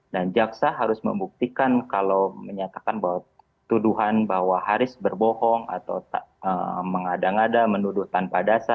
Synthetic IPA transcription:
dand͡ʒaksaɦaɾʊsmə̰mbuk̚t̪ikankalawməɲat̪akanbaɦwa | t̪uduɦanbahwahaɾɪsbərbɔhɔŋa̰t̪a̰wt̪aəməŋadaŋadamənudʊht̪anpadasa

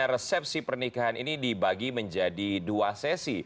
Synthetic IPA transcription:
arəsɛp̚sipərnikaɦanʔinidibaɡiməɲd͡ʒadiduasɛsi

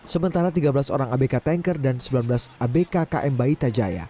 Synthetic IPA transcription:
səmənt̪aɾat̪iɡabəlaso̰ɾaŋabekat̪ɛŋkərdansəmbilanbəlasʔabekakaʔɛmbait̪ad͡ʒa̰ja̰

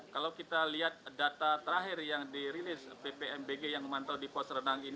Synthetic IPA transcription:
kalawkit̪aliɦat̪̚dat̪at̪əɾaɦɪrjaŋdiɾilɪspepeɛmbeɡejaŋəmant̪awdipɔsɾənaŋin

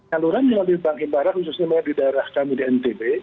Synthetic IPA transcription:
aluɾanəlalibaŋkɪnbaɾat̪̚husʊsɲamanadidaeɾahkamudiɛnt̪ebe

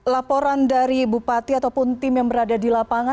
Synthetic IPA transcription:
lapɔɾandaɾibupat̪iat̪awpʊnt̪ɪmjaŋbəɾadadilapaŋa

